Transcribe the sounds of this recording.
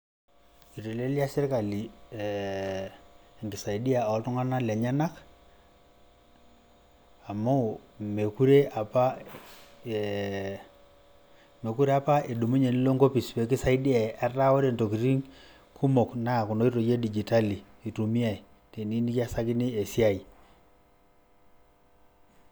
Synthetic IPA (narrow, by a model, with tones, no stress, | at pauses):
i˨to˨le˦lja˦sɪ˦ɾka˨li˨ | ŋɡɪ˨sa˨i˨di˦a˨ɔ˦ltʊ˦ŋa˦na˦la˨ɲa˦na˦k | a˨mo˦˨me˨ku˦ɾe˦a˨pa˦ | me˨ku˦ɾe˦a˦pa˦e˨ɗu˨mu˦ɲe˨ni˦lo˦ŋɡo˦pi˨spe˨˦ki˦sa˦i˦di˦a˨a˦ra˦wo˦ɾe˦˨nto˨ki˨ɾi˦ŋ | kʰu˦mo˨kna˦˨ku˨no˦i˦ɾo˨je˦di˨d͡ʒi˨ta˦li˨ | i˨tu˨mi˦a˨i˨ | te˨ni˦ni˦ka˦sa˦kɪ˦ni˦e˨si˦a˦˨i˨